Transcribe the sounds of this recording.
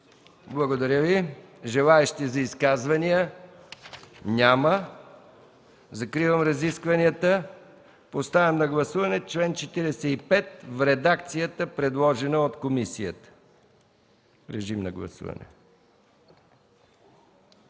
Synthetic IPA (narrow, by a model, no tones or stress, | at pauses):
blˠɐɡod̪ɐɾʲjəviʒɛlˠaɛʃt̪izɐiskazvɐnijə | nʲamə | zɐkɾivəmɾɐziskvɐniət̪ə | post̪avʲɛmnɐɡlˠɐsuvɐnɛt͡ʃlɛnt͡ʃɛt̪iɾɛsɛipɛt̪̚vɾɛd̪akt̪sijət̪əpɾɛd̪lˠɔʒɛnəot̪komisijə̰t̪ə̥ | ɾɛʒimnɐ̰ɡlˠɐ̰sṵvɐ̰nɛ̰